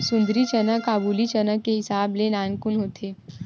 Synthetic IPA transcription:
sʊ̃nd̪ɾit͡ʃənakaːbuːlit͡ʃənəkːeɦɪsaːblenãːnkʊnɦoːt̪ʰeː

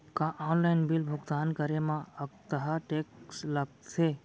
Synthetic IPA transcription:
kãʔɔ̃ːnlaɪnbɪlbʱʊɡt̪aːnkəɾemãəkt̪əɦaʈeːksləɡ̪̚sʰeː

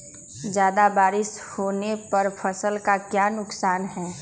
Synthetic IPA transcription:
d͡ʒjaːd̪abaːɾɪʃhoːnepɐɾpʰəsəlkakjaːnʊksaːnɦɛː

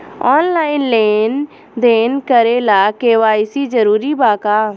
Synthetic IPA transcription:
ɔːnlaːɪnleːn | d̪eːnkəɾeːlaːkeːʋaːɪsiːd͡ʒəɾuːɾiːbaːkaː

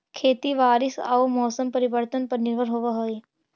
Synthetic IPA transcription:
kʰeːt̪iʋaːɾɪsa̰ːomɔːsəmpɐɾɪʋəɾt̪ənpɐɾnɪɾbʱəɾɦoːʋaɦoːi

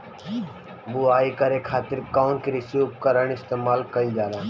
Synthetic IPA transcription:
buaːikɐɾekʰaːt̪ɪɾkaːʊnkiɾɪsjuːp̚kəɾəɽɪst̪eːmaːlkɐid͡ʒaːɾaː

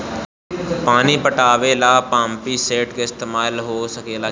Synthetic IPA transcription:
paːnipəʈaːʋelaːpãːmpiseːʈkeɪst̪eːmaːlɦoːsəkeːlaː

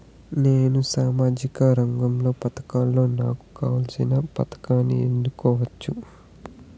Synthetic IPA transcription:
ne̞ːnusaːmaːd͡ʒikɐɾɐŋɡɐmlo̞ːpɐt̪ɐ̥kaːlːo̞ːnaːku̥kaːʋɐlsinɐpɐt̪ɐ̥kaːnːiend̪ukɔːʋɐt͡ʃːu

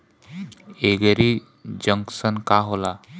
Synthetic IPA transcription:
eɡəɾi | d͡ʒə̃ŋksənkaɦola

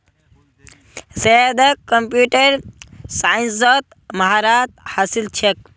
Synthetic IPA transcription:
sed̪ɐkːəmpjuʈeɾsainsət̪ | maɦaɾat̪̚hasilt͡ʃʰek̚

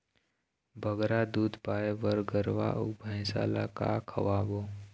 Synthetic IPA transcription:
bʱəɡɾad̪uːd̪ʱpaːebəɾɡəɾʋa̰ʔṵbʱə̃ɪsa̰la̰ka̰kʰə̰ʋabo

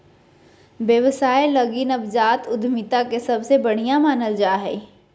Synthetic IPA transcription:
ʋjəʋsaːeləɡinəbd͡ʒaːt̪ʊd̪ʱmɪt̪akesɐbsebɐɽ̤ijãmaːnəld͡ʒaːɦɛ

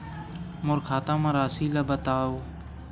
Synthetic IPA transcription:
mʊɾkʰaːt̪ãːmãːɾaːsiːlaːbət̪aːoː

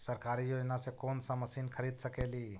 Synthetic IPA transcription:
səɾkaːɾijoːd͡ʒnasekoːnsə̃məsiːnkʰəɾiːd̪səkeːliː

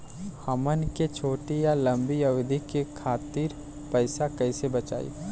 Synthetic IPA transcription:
hɐmənket͡ʃʰoːʈijalɐ̃mbijɐʋd̪ʱikekʰaːt̪iːɾ | pɛɪsakɐɪsebɐt͡ʃa̰ːḭː

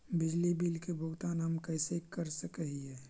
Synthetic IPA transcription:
bɪd͡ʒlibilkebʱoɡt̪anaːmkəɪsekəɾsəkəɦiɦɛː

